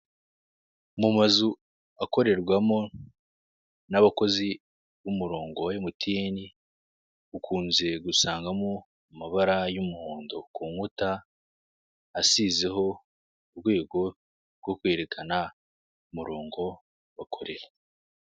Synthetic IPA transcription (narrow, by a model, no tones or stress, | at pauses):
mumazu | ako̞ɾe̞ɾɡwamo̞ | naβako̞zi | βumuɾo̞ːŋɡojemutʰieni | ukʰuːnze̞ɡusaːŋɡamo | umaβaɾajumuhuːndokuːŋuta | size̞ɦo̞ | uβɡwe̞ːɡo̞ | ɾɡo̞kwe̞ːɾe̞kʰana | umuɾo̞ːŋɡo̞ | βakʰoɾe̞ɾe